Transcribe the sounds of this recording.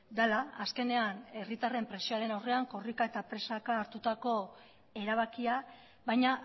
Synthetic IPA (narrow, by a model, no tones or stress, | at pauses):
d̪alaːske̞ne̞ane̞rit̪are̞mpɾe̞sioale̞nawre̞aŋko̞rikae̞t̪apɾe̞sakaːɾt̪ut̪ako̞ | e̞ɾaβ̞akia | βajɲa